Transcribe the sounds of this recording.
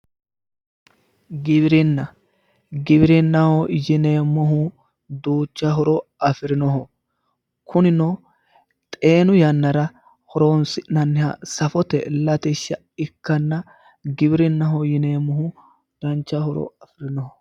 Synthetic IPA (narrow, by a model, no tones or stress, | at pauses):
ɡɪβɪɾɪnːɐ | ɡɪbɪɾɪnːɐhɔjɪneːmːɔɦʊ | d̪uːt͡ʃːɐɦɔɾɔɐfɪɾɪnɔɦɔ | kʰʊnɪno | t̪ʼe̞ːnʊjɐnːɐɾɐ | hɔɾoːnsɪnɐnːɪhɐ̰sɐfɔt̪ɛ̰lɐt̪ɪʃːɐ | ɪkːɐnːɐ | ɡɪbɪɾɪnːɐɦɔjɪne̞ːmːɔhʊ | d̪̥ɐnt͡ʃːɐhɔɾɔ̰ɐfɪɾɪnɔhɔ